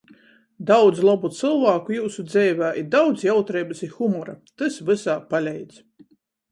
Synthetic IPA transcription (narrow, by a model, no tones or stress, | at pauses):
d̪awd̪zlˠɔbut̪sɨlˠvaːkujuːsud̪zɛːvʲaːʔiɾd̪awd̪zjawt̪ɾɛjbɨsixumɔɾat̪ɨsvɨsaːpalʲɛjd̪s